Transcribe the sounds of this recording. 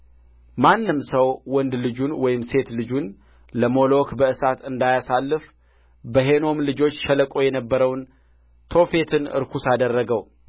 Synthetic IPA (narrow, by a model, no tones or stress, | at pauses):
manːɨmsəwwɔnd̪lɨd͡ʒunwɔjɪmse̞t̪lɨd͡ʒun | ləmo̞lo̞kbəɨsat̪ɨnd̪ajasalːɨf | bəɦe̞no̞mlɨd͡ʒo̞t͡ʃːʃələkʼojɛnəbːəɾəwn | t̪ʰo̞fe̞t̪ʰɨnɨ̰ɾkʰusad̪ərːəɡəw